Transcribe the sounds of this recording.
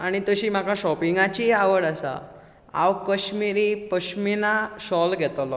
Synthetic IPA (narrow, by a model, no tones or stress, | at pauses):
aɽ̃it̪əɕiːm̤akaɕɔpiŋɡãt͡ɕiaʋəɽasa̰ | a̰ʋkəɕmiɾipəɕminaɕɔlɡʱɛt̪lɔ